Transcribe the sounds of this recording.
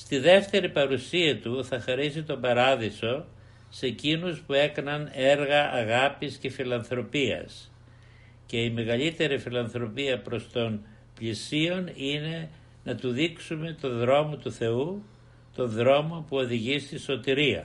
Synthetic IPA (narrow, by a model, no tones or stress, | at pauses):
st̪iðe̞ft̪e̞ɾipɐɾusiɐt̪uθɐxɐɾisit̪o̞bɐɾɐðiso̞ | se̞cinuspue̞kɐnɐne̞ɾɣɐʔɐɣɐpisce̞filɐnθɾo̞piɐ̰s | ce̞ime̞ɣɐʎit̪e̞ɾifilɐnθɾo̞piɐpɾo̞st̪o̞n | pʎisio̞nine̞ | nɐt̪uðiksume̞t̪o̞nðɾo̞mo̞t̪uθe̞u | t̪o̞nðɾo̞mo̞puo̞ðiʝist̪iso̞t̪iɾiɐ̰